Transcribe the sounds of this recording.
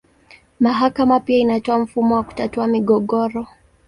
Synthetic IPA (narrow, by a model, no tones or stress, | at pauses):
maɦakamapiainatɔam̩fumɔwaku̥tatuamiɠɔɠɔɾɔ